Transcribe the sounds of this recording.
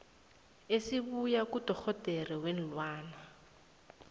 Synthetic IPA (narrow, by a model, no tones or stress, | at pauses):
esiβujakud̥ʱɔk͡xʰɔd̥ʱɛriwen̩lwaːna